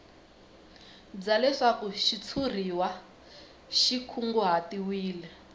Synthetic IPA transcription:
d͡zalɛʂakuʃit͡sʰur̤iwa | ʃikʰuŋɡuɦatiwiːlɛ

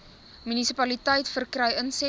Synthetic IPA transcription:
mynisipɐlitəjtfərkrəjənsɛ

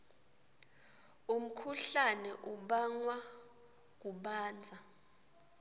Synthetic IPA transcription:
um̩kʰuɬanɛʔuɓaŋwa | k̬uɓaːnd͡zʱa

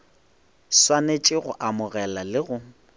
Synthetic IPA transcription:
swanet͡ʃʼɪɣʊʔamʊɣɛlalɪɣʊ

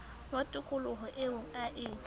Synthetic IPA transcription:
ŋatʼʊkʼʊlʊɦʊʔɪʊaʔɪː

